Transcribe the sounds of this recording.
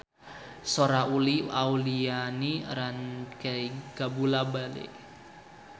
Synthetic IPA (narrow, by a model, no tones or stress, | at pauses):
soɾaʔuliaulianiɾankaiɡ̥abulabalḛʔ